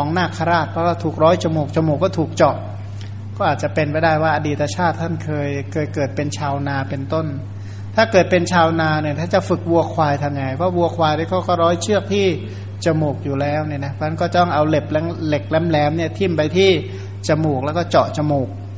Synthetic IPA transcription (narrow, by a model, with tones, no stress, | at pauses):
ɔː˨˩˦ŋnaː˥˩kʰa˧ɾaː˥˩t̪̚pʰɔ˦˥waː˥˩t̪ʰuː˨˩k̚ɾɔː˦˥jt͡ɕa˧muː˨˩k̚t͡ɕa˧moː˨˩kːɔː˥˩t̪ʰuː˨˩k̚t͡ɕɔ˨˩ʔ | kɔː˥˩ʔaː˨˩t̪̚t͡ɕa˨˩pe˧npa˧jdaː˥˩jwaː˥˩ʔa˧diː˨˩t̪ːa˧t͡ɕʰaː˥˩t̪ʰːa˥˩nkʰɤː˧jkɤː˧jt̪̚kɤː˨˩t̪̚pe˧nt͡ɕʰaː˧wnaː˧pe˧nt̪o˥˩n | t̪ʰaː˥˩kɤː˨˩t̪̚pe˧nt͡ɕʰaː˧wnaː˧ni˥˩t̪ʰaː˥˩t͡ɕa˨˩fɯ˨˩k̚wu˧ɐkʰwaː˧jt̪ʰa˧mɲa˧˩jpʰɔ˦˥wu˧ɐkʰwaː˧jɾaː˧˥˩jkʰɔː˧˥˩kɔː˥˩ɾɔː˦˥jt͡ɕʰɯ˥˩ək̚t̪ʰiː˥˩ | t͡ɕa˧muː˨˩k̚juː˨˩lɛː˦˥wni˥˩na˦˥pʰtʰa˥˩kɔː˥˩t͡ɕa˨˩t̪ɔ˥ŋʔa˧wle˨˩p̚lɛ˦˥ŋle˨˩k̚lɛ˦˥mlɛː˦˥mni˥˩ɐt̪ʰi˥˩mpa˧jt̪ʰiː˥˩ | t͡ɕa˧muː˨˩k̚lɛ˦˥wkɔː˥˩t͡ɕɔ˨˩ʔt͡ɕa˧moː˨˩k̚